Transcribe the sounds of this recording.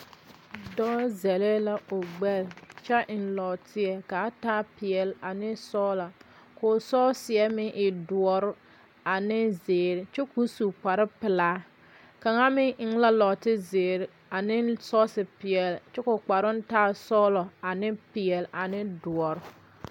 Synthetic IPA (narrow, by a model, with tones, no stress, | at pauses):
dɔː˦zɛ˨le˦la˦ʊ˨ɡ͡bɛ˦lt͡ʃɛ˦ʔɪ˨nlɔ˨tʰɪ˦ɛ˨ka˨˦taː˦pɪ˨ɛ˨la˨nɪ˦sɔː˦la˨ | kʊ˨sɔː˦sɪ˨ɛ˦mɪ˦ʔɪ˨dʊ˨ɔ˨ɾʊ˦ | a˨nɪ˦zeː˨ɾɪ˨t͡ʃɛ˦ku˦su˨k͡pa˨ɾɪ˦pɪ˨laː˦ | ka˨ŋa˦mɪ˦ŋɪ˦ŋ˦la˦lɔ˨tɪ˦zeː˨ɾɪ˨ | a˨nɪ˦sɔ˦sɪ˨pɪ˨ɛ˨lt͡ʃɛ˦kʊ˨k͡pa˨ɾʊ˦n̩˦taː˦sɔ˦lɔ˨a˨nɪ˦pɪ˨ɛ˨lʔa˨nɪ˦du˨ɔ˨ɾʊ˦